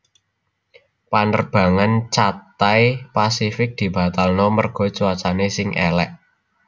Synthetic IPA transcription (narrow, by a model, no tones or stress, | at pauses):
panərb̥a̤ŋant͡ʃat̪ajpasifɪk̚d̪̥i̤b̥ä̤t̪alnɔmərɡ̥ɔ̤t͡ʃuwat͡ʃanesɪŋʔɛ̰lɛʔ